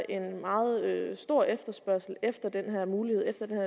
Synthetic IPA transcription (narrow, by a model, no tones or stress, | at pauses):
ʔe̝nmɑ̈ːð̩ˠøsd̥o̝ɐ̰efd̥ɐsb̥ɶɐ̰sl̩efd̥ɐd̥enɦæɐmuːlihe̝ð̞̰ˠefd̥ɐd̥enhæɐ̰